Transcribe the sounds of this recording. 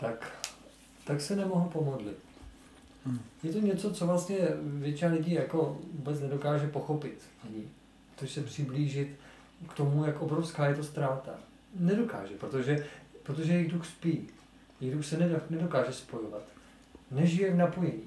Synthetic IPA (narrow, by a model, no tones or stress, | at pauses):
t̪ak | t̪aksɛnɛmoɦopo̞modlɪt̪ | jɛt̪oɲɛt͡so̞t͡so̞vlast̪ɲɛvjɛt͡ʃɪnalɪɟiːjako̞vuːbɛt͡snɛdo̞kaːʒɛpo̞xo̞pɪt̪ | ɲiː | pɾot̪oʒɛsɛpr̝̥ɪbliːʒɪt̪ | kt̪o̞mujakʔobɾofskaːjɛt̪ost̪ɾaːt̪a̰ | nɛdo̞ka̰ːʒɛpɾot̪o̞ʒɛpɾot̪o̞ʒɛjɛɣduxspi | jɛɣduxsɛnɛdanɛdo̞kaːʒɛspo̞jovat̪ | nɛʒɪjɛvnapojɛɲiː